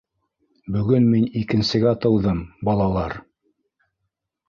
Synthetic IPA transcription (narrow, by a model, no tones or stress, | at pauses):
bɵ̆ɡɵnminikɘ̆nsɘ̆ɡæt̪ɤ̆wðɤmbɑlˠɑlˠɑɾ